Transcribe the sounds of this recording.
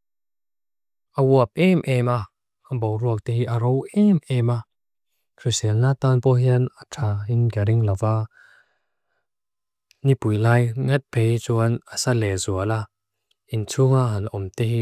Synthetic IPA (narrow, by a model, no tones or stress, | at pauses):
ʔɐwuɐp̚ʔɛmʔɛma | ɐbowruɐk̚t̪ɛhiʔɐɾowɛmʔɛma | kʰɾisɛlnat̪anpɔɦiənatʰaːinɡaɾiŋlɐva | nipujlaːjŋɛt̪̚pʰejt͡sunəsalɛzuɐla | ʔint͡sʰuŋaɦɐnaʔɔmt̪ɛhi